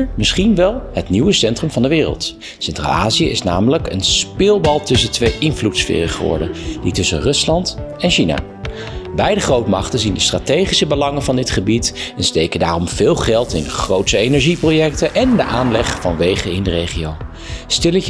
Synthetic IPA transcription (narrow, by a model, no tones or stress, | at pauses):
mɪsχinʋɛlˠɦətniwəsɛntrəmvɑndəʋɪːrə̰lˠt | sɛntra̰lˠa̰ːzijəʔɪ̰sna̰ːmələkə̰nspɪːlˠbɑlˠtɵsəntʋejʔɪnvlutsfɪ̰ːrəχəʋɔ̰ɹdənditɵsə̰nrɵslɑnt | ɛnʃina̰ː | bɛjdəχrowtmɑ̰χtənzindəstraːtejχisəbəlɑŋənvɑndɪtχəbitɛnstejkəndaːrɔmvɪːlˠχɛlˠtɪndəχrowtsəenɛɹʒiprowjɛk̚tənʔɛndəʔaːnlɛχfɑnʋejχəɪndərejχiow | stɪlə